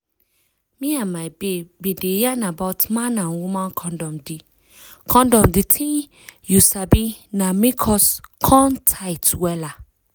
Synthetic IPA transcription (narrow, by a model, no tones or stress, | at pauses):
mĩãmabebedejanabatmãnãnwumãnkʰɔ̃ndɔ̃mdi | kʰɔ̃ndɔ̃mditʰĩ | jusabinãmĩkʰɔskʰɔ̃ntʰaɪtwɛla